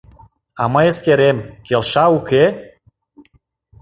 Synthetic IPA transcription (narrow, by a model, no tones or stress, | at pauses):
ɑ̰mɤjeskeɾemkelʃɑuke